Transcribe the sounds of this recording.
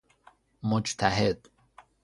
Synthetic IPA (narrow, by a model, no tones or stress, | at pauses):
mod͡ʒt̪ʰæɦed̪̥